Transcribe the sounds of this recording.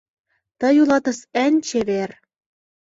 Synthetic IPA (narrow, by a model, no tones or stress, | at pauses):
t̪ɤ̆julɑt̪ɤ̆sænʲt͡ɕeβer